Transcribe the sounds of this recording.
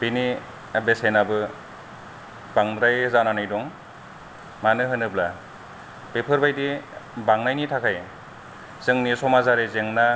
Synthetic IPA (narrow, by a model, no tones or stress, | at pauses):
bini | besenabɯ | baŋdɾajzananajdɔŋ | manɯɦɯnɯbla | bepʰɯɾbajdibaŋnajnitʰakʰaj | z̥ɯŋnisɔmazaɾezeŋna